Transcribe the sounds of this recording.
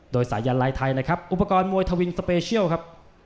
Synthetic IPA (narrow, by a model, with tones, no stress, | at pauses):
doː˧jsa̰ː˩˦jaː˧nlaː˧jt̪ʰa˧jna˦˥˩kʰɾa˦˥p̚ʔu˨˧˩pːa˧kɔː˧nmu˧əjt̪ʰa˧wi˧nspeː˧t͡ɕʰi˥˩əwkʰa˦˥p̚